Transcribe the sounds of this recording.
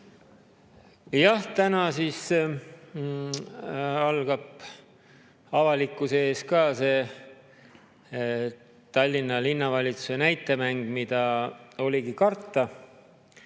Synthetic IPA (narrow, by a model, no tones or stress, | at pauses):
jɑht̪ænɑsiːs | ɑlɡ̥ɑb | ɑvɑlikːˑusee̞ːskɑːse̞ | t̪ɑlʲːinːɑlinːɑvɑlʲit̪su̥se̞næjt̪ːˑe̞mæŋɡ̥mid̪̥ɑo̞lʲiɡikɑrt̪ːˑɑ